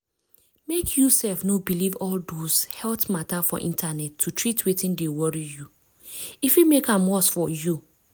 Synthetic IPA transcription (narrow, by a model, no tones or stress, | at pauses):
mekʰjusɛlfnobilivɔldoshɛltmatafɔ̰ʔĩntʰanɛtʰːutʰɹitwetĩndewɔɹiju | ifimekãmwɔsfɔju